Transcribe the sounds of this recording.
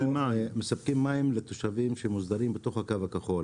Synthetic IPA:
emaemesap̚kimːaimlet̪oʃavimʃemuzd̪aɾimbet̪o̞χhakavakaχo̞l

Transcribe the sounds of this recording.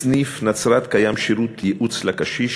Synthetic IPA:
nifnat͡sɾat̪kajamʃiɾut̪jeʔut͡slakaʃiʃ

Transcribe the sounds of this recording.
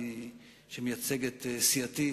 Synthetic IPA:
ʃemejat͡seɡet̪siat̪i

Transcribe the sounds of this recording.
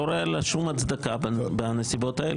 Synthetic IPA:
oɾelaʃumat͡sd̪akabeanesibot̪aḛl

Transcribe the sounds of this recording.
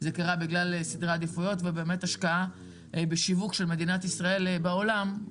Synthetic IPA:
zekaʁabiɡlalsid̪ʁad̪ifujo̞tvebe̞ːme̞taʃkaa | beʃivukʃe̞lme̞d̪inat̪isʁae̞lbaolam

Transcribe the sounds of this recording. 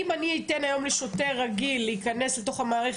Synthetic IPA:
imaniitenajo̞mleʃo̞teʁːaɡilːeikane̞sleto̞χhamaːʁeχ

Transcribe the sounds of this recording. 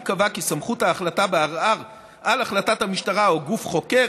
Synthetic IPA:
kavakisamχuthaːχlatabeaʁaʁ | ʔalaχlatathamiʃtaʁaoɡufχo̞ke̞

